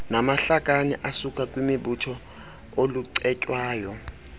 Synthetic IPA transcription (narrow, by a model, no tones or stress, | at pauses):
namaɬak̬ʼanḭʔasukʼakʼwimiɓutʰɔ | oluǀɛcʼwaːjɔ